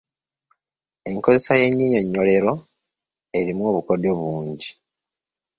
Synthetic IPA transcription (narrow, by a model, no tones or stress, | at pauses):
e̞ŋko̞ze̞saje̞ɲːiːɲo̞ɲːo̞le̞ɾo̞ | e̞ɾimwo̞ːβuko̞do̞βuːɲɟi